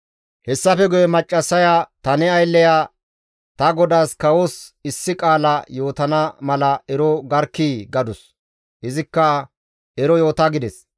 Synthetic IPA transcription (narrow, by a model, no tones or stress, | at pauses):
hɛsːɐfɛɡʊjɛmɐt͡ʃʼːɐsːɐjat̪ɐnɛɐjlːɛja | t̪ɐɡɔd̪aːskɐwosɪsːɪkʼaːlɐjo̞ːt̪ɐnɐmɐlɐɛɾɔɡɐɾkːiːɡɐd̪ʊs | ʔɪzɪkːɐ | ɛɾɔjo̞ːt̪aɡɪd̪ɛs